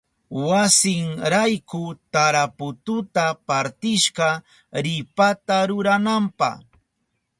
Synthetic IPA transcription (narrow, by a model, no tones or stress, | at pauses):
wasɪŋɾajkʊt̪aɾapʊt̪ʊt̪apaɾt̪ɪʃɢɑ | ɾɪpat̪aɾʊɾanampɑ̰χ